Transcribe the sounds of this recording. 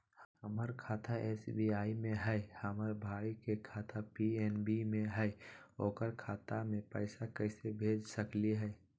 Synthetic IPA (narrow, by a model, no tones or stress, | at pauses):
hhəməɾkʰaːt̪ʰaʔɛːsbiaːimẽɦɛɪhəməɾbʱaːikekʰaːt̪ʰapiɛːnbimẽɦɛɛoːkəɾkʰaːt̪amẽpəɪsakəɪsebʱeːd͡ʒsəkliɦɛː